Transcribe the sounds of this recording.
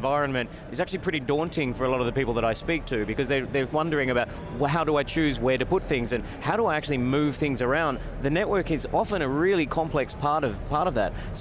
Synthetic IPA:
vaɪɹɨ̃nmɨ̃nt | ɨzæk̚t͡ʃʉl̩ˠipʰɹ̥ɪɾidɔ̃ntʰɪ̃ŋfə˞əlɔɾʌvðɨpipl̩ˠðəɾaɪspik̚tʰɨbɨkʌzðə˞ðə˞wʌ̃ndə˞ɪ̃ŋɨbaʊt̚ | ɦaʊɾəaɪt͡ʃʰʉzwə˞ɾɨpʊt̪̚θɪ̃ŋzɨ̃n | haʊɾəaɪæk̚t͡ʃʉl̩ˠimʉv̥θɪ̃ŋzə˞ãʊ̃n | ðɨnɛʔ̚wɜ˞kɨzɑfə̃ñɨɹɪlˠikʰɑ̃mpʰl̥ɛkspʰɑɹɾʌv̥pʰɑɹɾʌvðɨ̰t̚ | s

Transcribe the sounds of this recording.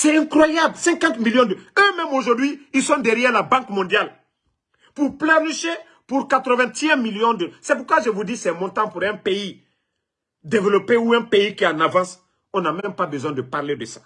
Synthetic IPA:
sɛɛ̃kχwajablsɛ̃kãt̪miljɔ̃d̪əømɛ̃moʒuʁd̪ɥiilsɔ̃d̪ɛʁjɛʁlabãkmɔ̃d̪jal | puʁplanyʃe | puʁkat̪ʁəvɛ̃t̪ɛ̃miljɔ̃d̪əsɛpuʁkwaʒəvud̪isɛmɔ̃t̪ãpuʁɛ̃pei | d̪evəlɔpeuɛ̃peikiãnavãs | ɔ̃namɛmpabəzwɛ̃d̪əpaʁled̪əsḁ

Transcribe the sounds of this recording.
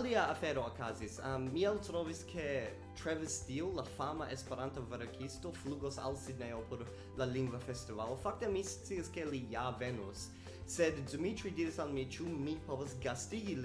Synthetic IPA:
liaafeɾookazisamːiɛltɾoviskʰe | tɾevistiulafamaʔespeɾantaveɾkʰistofluɡosa̰lsidneopʰoɾ | laliŋɡvafestivalofak̚temist͡siaskelijavenusː | eddumitɾidiɾisalmit͡ʃumipovasɡastiɡi

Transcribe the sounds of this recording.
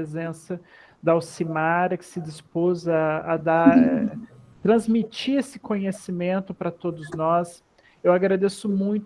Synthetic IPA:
ezẽsɐ | d̪ɐawsimaɾɐkɪ̥sɪd͡ʒɪspozɐːd̪aɾɛt̪ɾɐ̃zmit͡ʃiesɪ̥kõɲesimẽnt̪ʊpɾɐt̪od̪ʊznɔs | ewaɡɾad̪esʊmũj̃t̪

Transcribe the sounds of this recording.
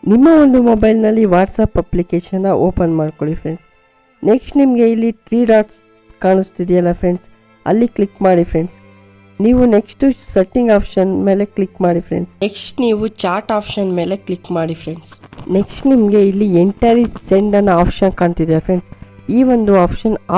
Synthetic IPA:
nimːɐo̞nd̪umobɐjlnɐlːiʋaːʈsapɐplikeːʃɐnːɐʔoːpɐnmaːɖkoɭifʰɾeɳɖs | neksʈnimɐɡe̞ilːiʈɾiːɖaːʈs | kaːɳust̪id̪iɐlːɐfɾeɳɖs | ɐ̰lːiklikmaːɽifʰɾe̞ɳɖs | niːʋune̞ksʈusɐʈːĩŋɡaːpʃɐnme̞ːleklikmaːɽifɾeɳɖseksʈniːʋut͡ʃaːɾʈaːpʃɐnmeːleklikmaːɽifɾeɳɖsneksʈnimɐɡe̞ilːieɳʈɐɾiseɳɖɐnaːpʃɐnkaːɳt̪id̪iafɾe̞ɳɖsiːʋond̪uaːpʃɐna

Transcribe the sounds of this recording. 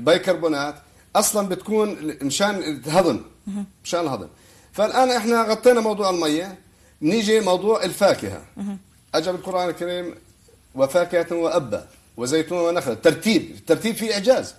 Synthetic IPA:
bajkɑɾˤbuːnaːt̪ | ʔɑsˤlɑnbɪt̪ḁkuːnmʃaːnɦɑd̪ˤɨmmʃaːnɪlhɑd̪ˤɨ̰m | falʔaːnʔɪħnaɣɑt̪ˤːiːnamɑwd̪ˤuːʕɪlmajːa | bnɪːd͡ʒimɑwd̪ˤuːʕɪlfaːkɪ̰ha̰ | ʔad͡ʒabɪlqʊɾʔaːnɪlkaɾiːm | wɪfaːkhat̪wɪʔabːa̰ | wɪzajːt̪uwanaxlat̪ːɑɾˤt̪iːbt̪ːɑɾˤt̪iːbfiʔɪʕd͡ʒaːz

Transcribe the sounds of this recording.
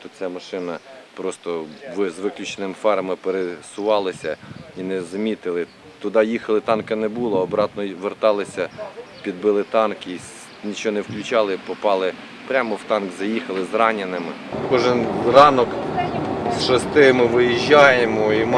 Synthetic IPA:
t̪ut͡sʲamɐʃɪnɐpɾɔst̪ɔʋɪzʋɪklʲut͡ʃenɪmɪfɑɾɐmɪpeɾesʊʋɑlˠɪsʲɐ̰inɛzɐmʲit̪ɪlˠɪ | t̪ʊd̪ɑjixɐlˠɪt̪ɑnkɐnɛbulˠɐɔbɾɑt̪nɔʋert̪ɑlˠɪsʲɐpʲid̪̚bɪlˠɪt̪ɑnki | nʲit͡ʃɔnɛwklʲʊt͡ʃɑlˠɪpɔpɑlˠɪ | pɾʲamɔwt̪ɑnɡzɐjixɐlˠɪzrɑnʲɪnɪmɪkɔʒɪnrɑnɔk | sʃɐst̪ɪmɪʋɪjiʒʲːajemɔim

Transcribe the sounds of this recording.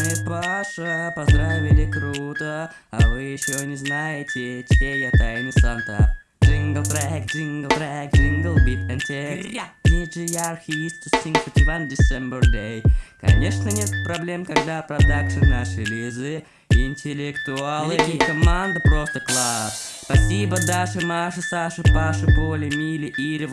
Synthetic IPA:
nɨpaʂəpɐzd̪ɾavʲɪlʲɪkɾut̪ə | ɐvɨjɪɕːonʲɪznajɪtʲɪt͡ʃlʲejat̪ajnɨsant̪a̰ | d͡ʒiŋɡəlˠt̪ɾaɛk̚t̪d͡ʒiŋɡəlˠt̪ɾaɛk̚t̪d͡ʒiŋɡəlˠbʲit̪ɛnt̪ʲek̪ʲid͡ʒɪjarxʲɪvʲist̪kʲɪst̪ʲinkpətʲɪvandʲɪsʲembərd̪ʲejkɐ̰nʲeʂnənʲet̪̚pɾɐblʲemkɐɡd̪apɾɐd̪akʂɨnːaʂɨlʲizɨ | ɪnʲtʲɪlʲɪkt̪ʊalˠɨkɐmand̪əpɾost̪əklˠasspɐsʲibəd̪aʂɨmaʂɨsaʂɨpaʂɨpolʲɪmʲilʲɪʔiɾʲɪv

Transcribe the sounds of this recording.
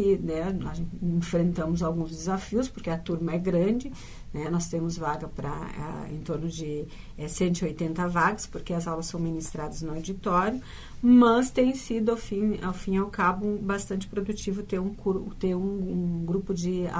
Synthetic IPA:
ɪnɛnɔ̃ẽfɾẽnt̪ɐ̃mʊzawɡũzd̪ɪzafiʊspoɾkeɐt̪uɾmɐɛɡɾɐ̃d͡ʒɪ | nɛnɔst̪ẽmʊzvaɡɐpɾɐ̰a̰ḛ̃nt̪oɾnʊzd͡ʒɪ | ɛsẽnt̪ʊiojt̪ẽnt̪ɐvaɡɐspoɾkeɐzawlɐsːɐ̃w̃minist̪ɾad̪ɐznʊawd͡ʒit̪ɔɾjʊ | mɐst̪ẽj̃sid̪ʊawfĩa̰wfĩawkabʊbast̪ɐ̃nt͡ʃɪ̥pɾod̪ut͡ʃivʊt̪eɾũkuɾt̪eɾũũɡɾupʊd͡ʒɪa̰

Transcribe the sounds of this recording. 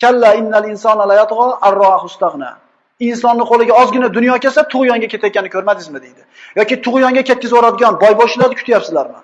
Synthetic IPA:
kʲʰalːaɪnːalɪnsɒnalajat̪ʁɒarːɒahʊst̪aʁna̰ | ɪnsɒnːɪqʰolɪɡʲaɒzɡʲɪnad̪ʊnjɒkʲesat̪ʰʊʁjɒŋɡʲakʲʰe̞t̪ʰajkʲanɪkʲʰɵɾmad̪ɪzmɪd̪ejd̪ɪjɒkʲit̪ʰʊʁjɒŋɡʲakʲet̪̚kʲɪzoɾad̪ɪɡʲɒnbɒjboʃɪlaɾd̪ɪkʰʊ̥t̪japsɪzlaɾmɪ̰n

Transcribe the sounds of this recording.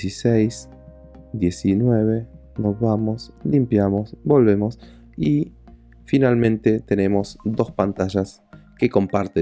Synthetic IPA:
sisejs | d̪je̞sinweβe̞ | nozβamo̞slimpjamo̞sbo̞lβe̞mo̞s | i | finalmẽ̞nt̪e̞t̪ene̞mo̞sd̪o̞spant̪aʒas | keko̞mpaɾt̪e

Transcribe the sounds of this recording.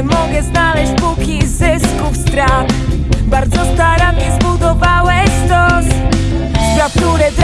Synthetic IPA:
mɔɡɛznalɛɕt͡ɕ̚pukʲizɪskufst̪ɾat̪ | baɾd̪zɔst̪aɾamʲɲɛzbud̪ɔvawɛst̪ɔs | bɾaft̪uɾɛt̪ɾ

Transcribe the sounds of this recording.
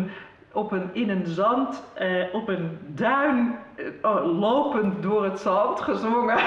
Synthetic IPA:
ɔpənɪnənzɑntɔpəndœɥn | loːpəntdʊərətsɑntχəzʋoŋə

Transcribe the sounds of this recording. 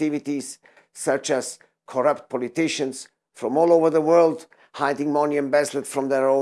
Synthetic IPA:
ɪvit̪izː | ʌt͡ʃæz | kʰɔɹʌp̚t̪̚pʰɔlit̪ɪʃə̃ns | fɹɔ̃mɔːloʊvə˞ðəwɜ˞ld̪ | hajtɪ̃ŋmɔ̃niə̃nbɛzlətfɹɔ̃mðəɹõ

